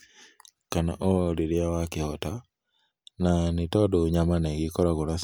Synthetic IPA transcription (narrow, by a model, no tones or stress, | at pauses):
kana̰ʔoliɾiawakihɔta | nanitɔduɲamaneɡikɔɾaɣunas